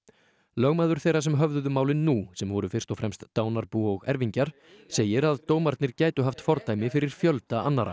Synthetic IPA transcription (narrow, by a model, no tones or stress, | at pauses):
lœɣmaːðʏɾ̥θeːjrasɛmɦœvðʏðʏmaːwlɪnːusɛmvɔɾʏfɪr̥st̪ɔfɾɛmst̪ːaːwnaɾpuɔɣɛɾviɲcaɾ̥ | seːjɪɾaðt̪oːwmaɾt̪nɪɾcaːjt̪ʏɦaft̪fɔɾt̪ajmɪfɪɾɪɾ̥fjœlt̪aanːaɾʔa̰